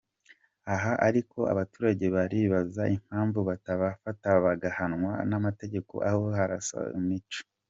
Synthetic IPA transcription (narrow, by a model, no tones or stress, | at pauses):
aɦaʔaɾikʰo̞a̰βatuːɾaɟe̞βaɾiβazaʔim̥haːɱvuβataβafataβaɡahanŋwa̰namate̞ɟe̞ko̞̰ʔahoɦaɾasa̰ḭmit͡ʃo̥